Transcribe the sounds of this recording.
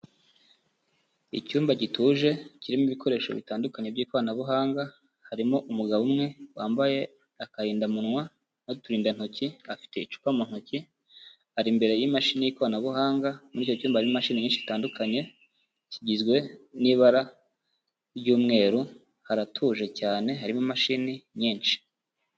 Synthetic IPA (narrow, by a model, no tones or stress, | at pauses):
icuːmbaɟituːʒe̞ciɾimiβiko̞ɾe̞ːʃo̞̰βḭtaːndukaɲe̞bɟiːkwaːnaβuɦaːŋɡa | haɾimoʔumuɡaβumŋe̞waːmbaje̞ | akaɾiːndamunŋwa | notuɾiːndan̥hociafi̥te̞it͡ʃu̥pamun̥hoci | haɾimbe̞ɾe̞jimaʃinijiːkwaːnaβuhaːŋɡamuɾiːcocuːmbahaɾimomaʃiniɲiːnʃii̥taːndukʰaɲe̞ | ciɟizɡwe̞niβaɾa | ɾɟuːmŋe̞ːɾu | haɾatʰuːʒe̞caːne̞ɦaɾimomaʃiniɲiːnʃi̥